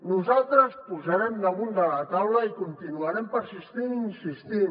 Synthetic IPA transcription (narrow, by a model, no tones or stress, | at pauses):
nuzalˠt̪ɾəspuzaɾɛmd̪amund̪alat̪awlaikunt̪inuaɾɛmpəɾsist̪ininsist̪in